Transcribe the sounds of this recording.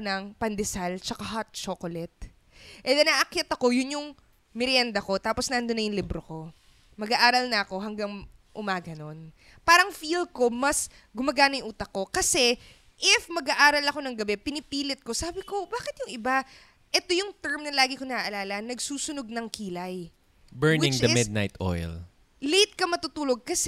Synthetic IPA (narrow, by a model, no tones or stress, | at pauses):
nɐŋpɐnd̪ɛsalt͡ʃɐkaɦat̪̚t͡ʃokolɛt̪̚ | ʔɛd̪ɛnaʔɐkjɐt̪ɐko̞jʊnjʊŋ | mɪɾjɛnd̪ɐko̞t̪aːpo̞snɐʔɐnd̪onːɐjʊŋlibɾoko̞ | mɐɡaʔaːɾɐlnɐʔɐko̞ɦɐŋɡɐŋʔʊmaːɡɐno̞n | paːɾɐŋfilko̞mɐs | ɡʊmɐɡaːnɐjʔuːt̪ɐko̞kɐsɛ | ʔɪfmɐɡaʔaːɾɐlɐko̞nɐŋɡɐbɛpɪnɪpiːlɪt̪̚ko̞saːbɪko̞baːkɪt̪jʊŋɪba | ʔɛt̪o̞jʊŋt̪ɛɹmnɐlaːɡɪkonɐʔaʔɐlaːlɐnːɐɡsuːsʊno̞ɡ̚nɐŋkiːlɐj | bɛɹnw̪ɪŋt͡ʃd̪ɐɪmɪd̪̚na̰jt̪ʔo̰jl | lejt̪̚kɐmɐt̪ut̪uːloɡ̚kɐs